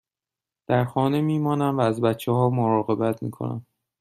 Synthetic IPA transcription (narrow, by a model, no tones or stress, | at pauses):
d̪̥æɾxɒːne̞miːmɒːnæmvæːzbæt̪t͡ʃʰːeɦɒːmoɾɒːɣe̞bæt̪ʰmḭːkʰo̞̰næ̰m